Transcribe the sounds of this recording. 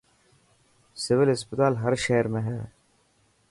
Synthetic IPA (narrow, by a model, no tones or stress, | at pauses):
sɪʋɪlɦɪspɪt̪aːlɦəɾʃeːɾmẽːɦɛː